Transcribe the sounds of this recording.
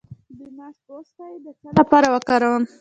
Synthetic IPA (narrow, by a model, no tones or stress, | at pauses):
apɑɾawəkaɾəwəm